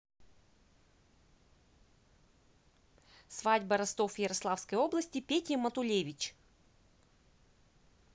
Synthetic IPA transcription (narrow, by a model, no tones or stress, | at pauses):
svadʲbɐɾɐst̪o̞fjɪɾɐslˠafskəjo̞blˠəsʲtʲɪpʲetʲɪmɐt̪ʊlʲevʲɪt͡ɕ